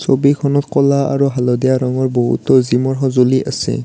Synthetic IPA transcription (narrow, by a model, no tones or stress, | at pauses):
sobikʰɔnɔtkɔlaa̰ɹuɦalɔd̪ɛjaɹaŋɔɹbɔɦṵtɔzimɔɹɦɔzoliʔasɛ̰